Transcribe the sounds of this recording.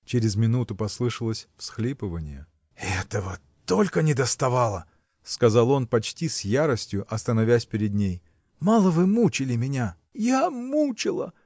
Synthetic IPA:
t͡ɕeɾʲɪzmʲɪnut̪ʊpɐslˠɨʂəlˠəsʲfsxlʲipɨvənʲɪjə | ɛt̪əvə | t̪o̞lʲkənʲɪd̪əst̪ɐvalˠə | skɐzɑlˠo̞npɐt͡ɕtʲisʲjaɾəsʲtʲjʊʔɐst̪ənɐvʲæsʲpʲɪɾʲɪd̪nʲej | mɑlˠəvɨmut͡ɕɪlʲɪmʲɪnʲa | jamut͡ɕɪlˠə̰

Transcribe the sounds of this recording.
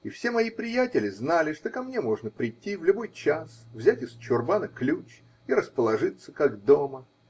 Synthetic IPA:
ifsʲe̞mɐjipɾʲɪjætʲɪlʲɪznalʲɪʂt̪o̞kɐmnʲe̞mo̞ʐnəpɾʲɪtʲːivlʲʊbo̞jt͡ɕasvzʲætʲɪst͡ɕʊrbanɐklʲut͡ɕ | iɾəspəlˠɐʐɨt̪sːəkaɡd̪o̞mə

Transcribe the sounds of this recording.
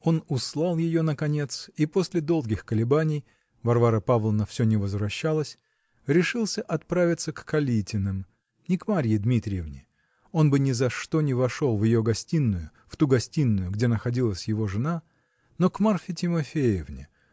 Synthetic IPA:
o̞nʊslˠalˠjɪjo̞nəkɐnʲe̞t̪sipo̞sʲlʲɪd̪o̞lˠɡʲɪxkəlʲɪbanʲɪj | vɐrvaɾəpavlˠənəfsʲonʲɪvəzvɾɐɕːalˠəsʲ | ɾʲɪʂɨlˠsʲəʔɐt̪̚pɾavʲɪt̪səkːɐlʲitʲɪnɨm | nʲɪkmaɾʲjɪd̪mʲit̪ɾʲɪjɪvnʲɪ | o̞nbɨnʲɪzɐʂt̪o̞nʲɪvɐʂo̞lˠvjɪjo̞ɡɐsʲtʲinːʊjʊ | ft̪uɡɐsʲtʲinːʊjʊɡdʲe̞nəxɐdʲilˠəsʲjɪvo̞ʐɨna | no̞kmarfʲɪtʲɪmɐfʲejɪvnʲɪ̰

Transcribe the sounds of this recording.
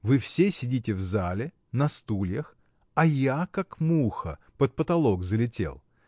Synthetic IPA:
vɨfsʲesʲɪdʲitʲɪvzalʲɪ | nɐst̪ulʲjəx | ɐjakakmuxə̰ | pət̪̚pət̪ɐlˠo̞ɡzəlʲɪtʲe̞̰lˠ

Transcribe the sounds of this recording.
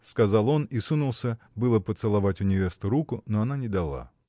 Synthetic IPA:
skazalˠɔnisunulˠsʲə | bɨlˠɐpət̪sɨlˠavatʲʊnʲɪvʲest̪ʊɾukʊnɔɐnanʲɛd̪alˠa̰

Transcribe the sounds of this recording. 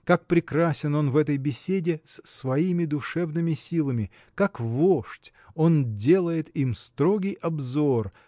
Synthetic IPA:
kak̚pɾʲɪkɾasʲɪno̞nvɛt̪əjbʲɪsʲedʲɪssvɐimʲɪd̪ʊʂɛvnɨmʲɪsʲilˠəmʲɪ | kakvoʂtʲ | o̞ndʲe̞lˠəjɪt̪imst̪ɾo̞ɡʲɪjʔɐbzo̞r

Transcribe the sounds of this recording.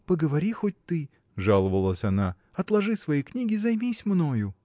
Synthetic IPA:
pəɡəvɐɾʲixot̚ʲt̪ɨ | ʐalˠəvəlˠəsʲɐna | ɐt̪lˠɐʐɨsvɐjijknʲiɡʲɪzɐjmʲisʲmnojʊ

